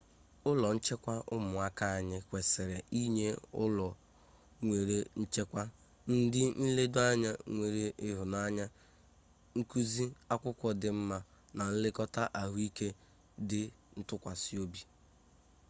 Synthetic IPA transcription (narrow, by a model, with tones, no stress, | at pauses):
ʊ˦lɔ˨n̩˦t͡ʃe˦kʷa˦ʔʊ˦mʊ˨a˦ka˦a˨ɲɪ˦kʷe˨sɪ˨ɾe˨i˦ɲe˦ʊ̰˦lɔ˨ | ŋʷe˨ɾe˨n̩˦t͡ʃe˦kʷa˦ | n̩˦dɪ˦n̩˦le˦do˦a˦ɲa˦ŋʷe˨ɾe˨ʔɪ˦ɦʊ˨na˦ɲa˦ | ŋ̩˦ku˦zi˦a˦kʷʊ˦kʷɔ˨dɪ˨m̩˦ma˦ | na˨n̩˦lɪ˦kɔ˦ta˦ʔa˨ɦʊ˦i˦ke˦ | dɪ˨ | n̩˦tʊ˦kʷa˨si˦o˦bi˦